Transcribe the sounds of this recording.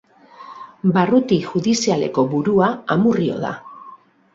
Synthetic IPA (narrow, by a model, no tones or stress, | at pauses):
barut̪iʝuðisiale̞̰ko̞βuɾuaamurio̞̰ða̰